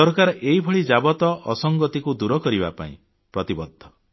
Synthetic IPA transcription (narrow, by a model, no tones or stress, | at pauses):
ɔɾkaɾɔʔeibʱɔɭid͡ʒabɔt̪ɔʔɔsɔŋɡɔt̪ikud̪uɾɔkɔɾibapa̰ḭ̃ | pɾɔt̪ibɔd̪ʱːɔ